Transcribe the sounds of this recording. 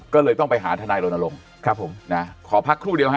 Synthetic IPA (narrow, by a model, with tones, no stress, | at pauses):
kɔː˥˩lɤː˧jt̪ɔ˥˩ŋpa˧jɦaː˩˦t̪ʰaː˧naː˧jɾo˧na˧lo˧ŋ | kʰɾa˦˥pʰːo˩˦mna˦˥kʰɔː˩˦pʰa˦˥kʰːɾuː˥˩di˧əwɦa˦˥